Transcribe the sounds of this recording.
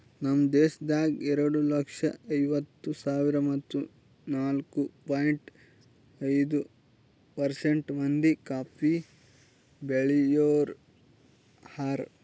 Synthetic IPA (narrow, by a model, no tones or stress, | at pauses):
nɐmːɐd̪ɛːʃɐd̪aːɡɛɾɐɽulɐkʂɐɐjʋɐt̪ːusaːʋiɾɐmɐt̪ːu | naːlkupaːjɳʈ | ɐjd̪u | pɐɾseɳʈmɐnd̪ikaːpi | beɭijoːɾ | haɾ